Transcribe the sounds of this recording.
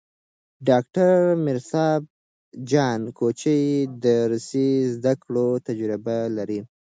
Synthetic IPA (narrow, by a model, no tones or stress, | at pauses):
ɖɑk̚ʈaɾmɪɾsɑb̚ | d͡ʒɑnkʰot͡ʃəjd̪əɾusizd̪akɽot̪ad͡ʒɾɪbalaɾi